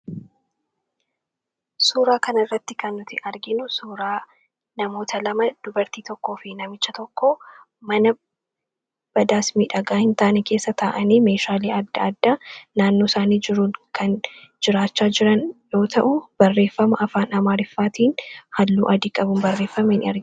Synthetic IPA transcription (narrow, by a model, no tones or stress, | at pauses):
suːɾaːkɐnɐrːɐt̪ːɪkɐnːʊt̪ɪʔɐɾɡɪnʊsuːɾaː | nɐmo̞ːt̪ʰɐlɐmɐd̪̥ʊbɐɾt̪iːt̪ɔkːo̞ːfɪnɐmɪt͡ʃːɐt̪ɔkːɔ | mɐnɐ | b̥ɐd̪aːsmiːᶑɐɡaːhɪnt̪aːnɛke̞ːsːɐt̪aːʔɐniːme̞ːʃaːliːɐd̪ːɐd̪ːanaːnːoːɪsaːniːd͡ʒɪɾuːnkʰɐnd͡ʒɪɾaːt͡ʃːaːd͡ʒɪɾɐnjo̞ːt̪ʰɐʔʊb̥ɐrːe̞ːfːɐmɐʔɐfaːnɐmaːɾɪfːaːt̪iːnhɐlːṵːʔɐd̪iːkʼɐbʊmbɐrːeːfːɐmɐhɪnɐɾɡ